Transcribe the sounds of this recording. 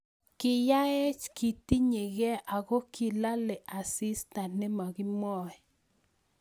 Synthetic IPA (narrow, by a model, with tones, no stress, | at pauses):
kɪ˨ja˦ɛ˦t͡ʃki˨ti˦ɲe˨ɣɛ˦ʔa˨ɣo˦kʰi˨la˦lɛ˨ʔa˨si˦sta˨ntnɪ˦ma˨ɡi˦mɔ˦˨ɛ˨